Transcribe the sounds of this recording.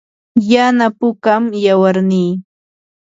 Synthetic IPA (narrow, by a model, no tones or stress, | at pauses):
janapʊkamjawaɾniː